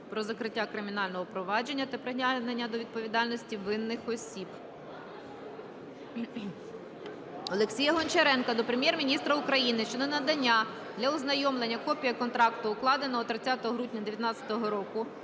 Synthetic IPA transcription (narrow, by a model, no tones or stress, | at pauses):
pɾɔzɐkɾɪtʲːakɾɪmʲinɑlʲnɔɦɔpɾɔʋɑd͡ʒe̞nʲːɐt̪ɐpɾeɦnʲanenʲːɐd̪ɔʋʲid̪̚pɔʋʲid̪ɑlʲnɔsʲtʲiʋɪnːɪxɔsʲib | ɔlˠeksʲijɐɦɔnʲt͡ʃeɾɛnkɐd̪ɔpɾemʲjɛrmʲinʲist̪ɾɐʊkɾɐjinɪʃt͡ʃɔd̪ɛnɐd̪ɐnʲːa | d̪lʲɐʊznɐjɔmlˠenʲːɐkɔpʲijɐkɔnt̪ɾɑkt̪ʊːklˠɑd̪enɔɦɔt̪ɾɪt͡sʲat̪ɔɦɔɦɾudʲnʲɐd̪eʋjɐt̪nɑt͡sʲɐ̥t̪ɔɦɔɾɔkʊ